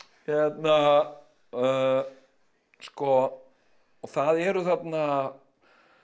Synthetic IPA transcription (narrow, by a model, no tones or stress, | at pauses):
çɛt̪na | skɔ | ɔθaðɛɾʏθat̪na